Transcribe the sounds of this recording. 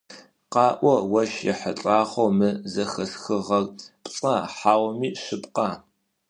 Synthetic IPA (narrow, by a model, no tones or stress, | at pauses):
qɑːʔʷɔwɐʃjɛ̰ħət͡ɬʼaːχʷowmɨzɐxɐsxɨʁɐrpʼt͡sʼaħaːwmiːʃɨpʼqɑː